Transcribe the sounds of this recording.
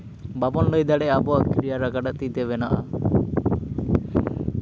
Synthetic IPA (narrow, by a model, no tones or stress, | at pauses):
babɔnləjd̪aɽɛabɔaʔkɾijaɾaɡaɖaʔt̪it̪ɛβɛnaʔa